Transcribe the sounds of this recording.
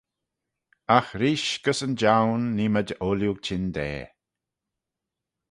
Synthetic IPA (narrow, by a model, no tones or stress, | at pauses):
axɾiːʃɡ̥əsənd͡ʒawnːiməd͡ʒəʔoljuɡ̚t͡ʃʰɪnd̪ɛ̰ː